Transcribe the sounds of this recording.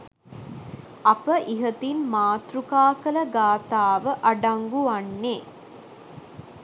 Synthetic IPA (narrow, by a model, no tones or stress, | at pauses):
apəʔiɦət̪inmaːt̪rukaːkələɡaːt̪aːʋəʔaɖaŋɡuʋanːe